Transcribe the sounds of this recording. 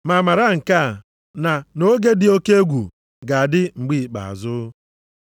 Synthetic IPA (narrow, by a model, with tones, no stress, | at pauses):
ma˨ma˨ɾa˦ŋ̩˨ka˦˨ | na˨no˦ɡe˦dɪ˨o˦ke˦e˦ɡʷṵ˨ | ɡa˨a˨dɪ˦ŋ͡m̩˨ɡ͡bi˦˨k͡pa̰˨a̰˨zʊ˦